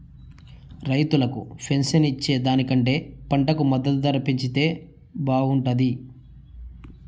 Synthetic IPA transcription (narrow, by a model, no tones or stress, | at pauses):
ɾɐjt̪ulɐkṵpʰe̞nsɐnit͡ʃːe̞ːd̪aːnikɐɳʈe̞ːpɐɳʈɐkumɐd̪ːɐt̪d̪ɐɾɐpiɲt͡ʃit̪e̞ː | baːɡuɳʈɐd̪i